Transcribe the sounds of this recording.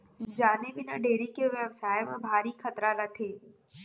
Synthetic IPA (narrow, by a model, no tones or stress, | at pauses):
d͡ʒaːnebɪnaɖeːɾikeʋjəʋsaːemẽbʱaːɾikʰɐt̪ɾaːlɐt̪ʰeː